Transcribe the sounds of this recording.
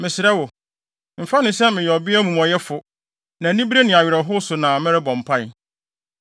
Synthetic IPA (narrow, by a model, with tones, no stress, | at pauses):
mɪ̃˨sɪ˨ɾɛ˦wʊ˨ | m̩˨fa˦nɪ̃˨sɛ˦mɪ̃˨jɛ˨ɔ˨bɪ˦æ˦mũ˨mɔ˨jɛ˦fʊ˨ | nã˨˦nĩ˦bi˦ɾe˦nɪ̃˨a˨ɥɪ˨ɾɛ˨ɦʊ˦sʊ˨nã˨mɪ̃˦ɾɪ˦bɔ̃˨m̩˨pʰa˦j